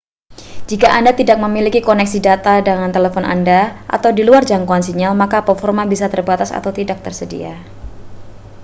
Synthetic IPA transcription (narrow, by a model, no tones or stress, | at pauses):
d͡ʒikaʔandat̪idak̚məmilikikɔnɛksidat̪adəŋant̪elefɔna̰ndaʔa̰t̪awdiluard͡ʒaŋkoansiɲalmakapəfɔrmanbisat̪ərbat̪asa̰t̪awt̪idak̚t̪ərsədḭa̰